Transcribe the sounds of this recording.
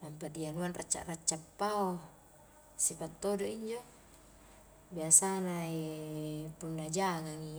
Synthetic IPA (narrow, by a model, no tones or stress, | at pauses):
nampadianuanrat͡ʃːa̰ʔrat͡ʃːapːao | sipat̪ːodoʔiɲd͡ʒo | biasanai | punːad͡ʒaŋaŋi